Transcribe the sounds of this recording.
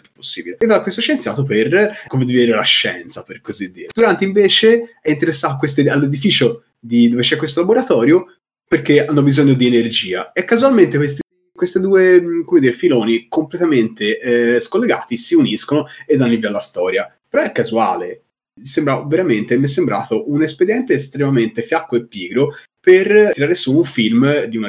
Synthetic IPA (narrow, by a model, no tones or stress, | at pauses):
p̪u̥pːo̥sːḭːbileevakwest̪oʃent̪sjaːt̪operkomed̪ived̪iːɾelaʃːɛ̰nt̪saperkozid̪ːiːɾed̪uɾant̪eĩɱveːt͡ʃeɛint̪̬eɾesːaːt̪okwest̪ealːed̪ifiːt͡ʃo | d̪id̪ovet͡ʃɛkːwes̬t̪olaboɾat̪ɔːɾjo | perkːeanːobizoɲːod̪ienerd͡ʒiːa̰ɛkːazualment̪ekwest̪i | kwest̪ed̪uːekomed̪iːɾefiloːnikomplet̪ament̪eskolːeɡa̰ːt̪isiuniskonoed̪anːiviallast̪ɔːɾjapeɾɔɛkːazua̰ːle | sembɾaveɾament̪emiɛs̬ːembɾʔa̰ːt̪oʔunesped̪jɛnt̪eːst̪ɾemament̪efjakːoepːiːɡɾo | periɾaːɾesuuɱfilmd̪iuna